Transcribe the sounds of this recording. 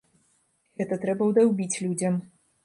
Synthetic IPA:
ɣɛt̪ɐt̪ɾɛbɐwd̪awbʲit͡sʲlʲud͡zʲɐm

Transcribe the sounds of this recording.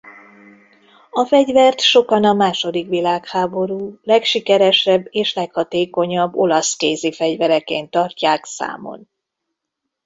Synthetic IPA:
ɒfɛɟvɛrt̪ʃo̞kɒnɒmaːʃo̞d̪ikʋilaːkhaːbo̞ɾuːlɛkʃikɛɾɛʃɛbːeːʃlɛkhɒt̪eːko̞ɲɒbːo̞lɒskeːzifɛɟvɛɾɛkeːnt̪ɒrcaːksa̰ːmo̞̰n

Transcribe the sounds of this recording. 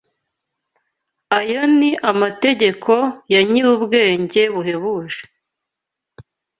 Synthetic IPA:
ajo̞niʔamate̞ɟe̞kʰojaɲiɾubɡe̞ːɲɟe̞βuɦe̞βuːʒe̥

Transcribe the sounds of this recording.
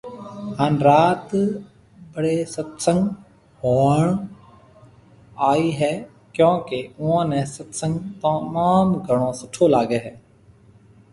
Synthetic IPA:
ɦaːnɾaːt̪ | bəɽeːsət̪sə̃ŋɡ | hoːɳ | aːiːɦɛː | kjõːkeʊãːnɛ̃ːsət̪sə̃ŋɡt̪əmaːmɡʱəɽ̃õːsʊʈʰoːlaːɡeːɦɛː

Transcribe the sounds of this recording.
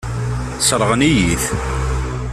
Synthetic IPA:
sɾˤəʁənijiθ

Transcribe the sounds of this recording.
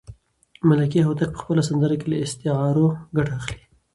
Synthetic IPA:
malakiɦot̪ak̚pə̥xpəlasand̪əɾakelaɪst̪ɪɦɑɾoɡaʈaaxli̥

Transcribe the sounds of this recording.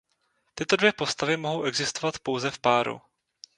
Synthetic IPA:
t̪ɪt̪o̞dvjɛpo̞st̪avɪmo̞ɦo̞wʔɛɡzɪst̪ovat̪po̞wzɛfpaːɾṵ

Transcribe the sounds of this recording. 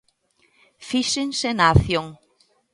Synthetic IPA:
fiʃeŋsenaːθjoŋ

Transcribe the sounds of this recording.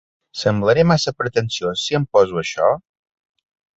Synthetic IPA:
səmbləɾemasəpɾət̪ənsiosiəmpɔzuəʃɔ̰

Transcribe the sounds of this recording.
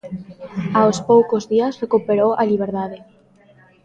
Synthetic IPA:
aospowkozðiasrekupeɾoʔaliβ̞eɾðaðe

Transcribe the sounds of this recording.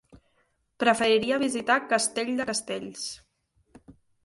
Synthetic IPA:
pɾəfəɾiɾiəβ̞izit̪akəst̪eʎʲd̪əkəst̪eʎs

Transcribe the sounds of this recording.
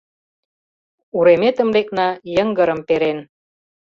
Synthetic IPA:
uɾemet̪ə̆mleknɑjəŋɡəɾəmpeɾen

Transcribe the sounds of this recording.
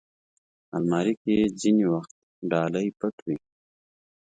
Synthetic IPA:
almaːɾiked͡ʑiniwaxt̪̚ | ɖaːləjpəʈwi

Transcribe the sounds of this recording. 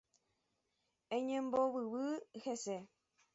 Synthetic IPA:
ẽɲẽmbowɨʋɨhese

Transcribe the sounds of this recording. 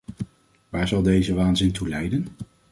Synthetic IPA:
ʋaːɹzɑlˠdejzəʋaːnzɪntulɛjdən

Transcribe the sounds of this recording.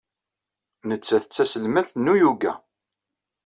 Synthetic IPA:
nət͡sːæθət͡sːæsəlmæθnːujuɡæ̰

